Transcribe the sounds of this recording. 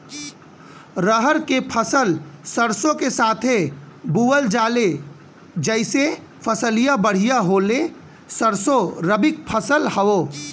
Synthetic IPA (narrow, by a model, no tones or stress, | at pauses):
ɾəɦəɾkepʰəsəlsəɾsõkesaːt̪ʰe | buʋəld͡ʒaːle | d͡ʒəɪse | pʰəsəlijabəɽ̤ijaɦoːle | səɾsoɾəbɪk̚pʰəsəlhəoː